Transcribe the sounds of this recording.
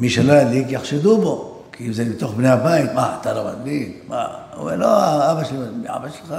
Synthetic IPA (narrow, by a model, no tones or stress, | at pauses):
miʃalalikjaχʃed̪ubo | kʰiimzebet̪oχbnehabait̪maat̪aloma̰d̪bikma̰o̰meloaabaʃaiʕa̰baʃlxa